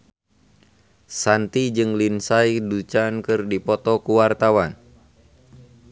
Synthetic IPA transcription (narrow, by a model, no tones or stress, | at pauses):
sant̪id͡ʒɨŋlinsajdut͡ʃankɨrdipɔt̪ɔkuwart̪awan